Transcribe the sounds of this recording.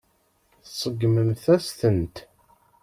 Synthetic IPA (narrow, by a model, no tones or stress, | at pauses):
θsˤəɡməmθæst̪ənt̪